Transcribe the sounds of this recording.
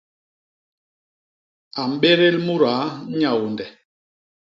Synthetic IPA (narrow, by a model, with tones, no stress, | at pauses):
a˨m̩˨˦ɓe˦ɾe˦lmu˦ɾa˨˦ɲa˦˨wu˨ndɛ˨